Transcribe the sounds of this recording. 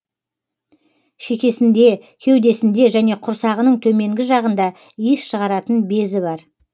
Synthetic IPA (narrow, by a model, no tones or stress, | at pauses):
ʃe̞kʲe̞sɪnd̪e̞kʲʰewd̪e̞sɪnd̪e̞ʒæne̞qʰʊɾsɑʁənəɴt̪ʰɵme̞ŋɡʲɪʒɑʁənd̪ɑ | isʃəʁɑɾɑt̪ənbe̞zɪβɑɾ